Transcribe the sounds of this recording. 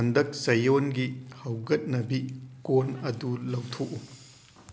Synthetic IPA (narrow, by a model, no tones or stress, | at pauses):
ɐndɐk̚sɐjonɡihɐwɡɐt̚nɐbikonɐdulɐwtʰoʔu